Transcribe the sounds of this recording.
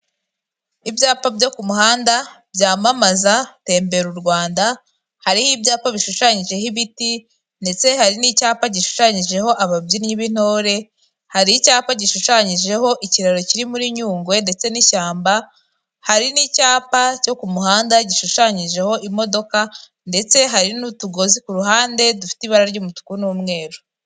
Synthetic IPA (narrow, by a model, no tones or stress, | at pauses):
ibjaːpabɟo̞kumuhaːndabjaːmamazate̞ːmbe̞ɾuɾɡwaːnda | haɾihibjaːpaβiʃuʃaɲiʒe̞hiβiti | nde̞t͡se̞haɾinicaːpaɟiʃu̥ʃaɲiʒe̞ho̞ʔaβabjinɲiβin̥o̞ːɾe̞ | haɾicaːpaɟiʃuʃaɲiʒe̞ho̞ʔiciɾaɾo̞ciɾimuɾiɲuːŋɡwe̞nde̞t͡se̞niʃaːmba | haɾinicaːpaco̞kumuɦaːndaɟiʃuʃaɲiʒe̞ho̞ʔimo̞do̞ka | nde̞t͡se̞ɦaɾinutuɡo̞zikuɾuɦaːnde̞dufi̥tiβaɾaɾɟuːmutu̥kunuːmŋe̞ːɾo